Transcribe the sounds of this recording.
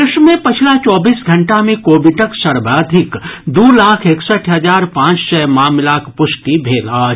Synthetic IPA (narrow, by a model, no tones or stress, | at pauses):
ɾɪʃmẽpɪt͡ʃʰlat͡ʃɔːbiːsɡʱɐ̃ɳʈamẽkoːbɪʈəksəɾbaːd̪ʱɪkd̪uːlaːkʰeːksəʈʰɦɐzaːɾpãːt͡ʃsɛːmaːmlaːkpʊʃʈibʱeːlaːd͡ʒ